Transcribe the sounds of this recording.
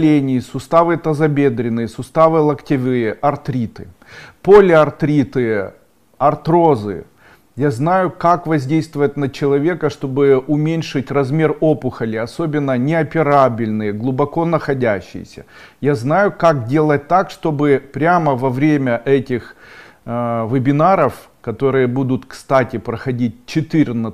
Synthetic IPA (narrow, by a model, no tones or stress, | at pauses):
lʲenʲɪjsʊst̪avɨt̪ɐzɐbʲe̞d̪ɾʲɪnːɨjəsʊst̪avɨlˠɐktʲɪvɨjəʔɐrt̪ɾʲit̪ɨ̥ | po̞lʲɪɐrt̪ɾʲit̪ɨ | ɐrt̪ɾo̞zɨ̰ | jaznajʊkakvɐzʲdʲejst̪vʊvət̪̚ʲnɐt͡ɕɪlˠɐvʲe̞kəʂt̪o̞bɨʊmʲenʲʂɨtʲrɐzmʲe̞ro̞pʊxəlʲɪɐso̞bʲɪnːənʲɪɐpʲɪɾabʲɪlʲnɨjəɡlˠʊbɐko̞nəxɐdʲæɕːɪ̰jɪ̰sʲə̰ | jaznajʊkak̚dʲe̞lˠət̚ʲt̪akʂt̪o̞bɨpɾʲaməvɐvɾʲemʲəʔɛtʲɪx | vɨbʲɪnaɾəf | kɐt̪o̞ɾɨjəbud̪ʊt̪kst̪atʲɪpɾəxɐdʲit̚ʲt͡ɕɪt̪ɨɾʲn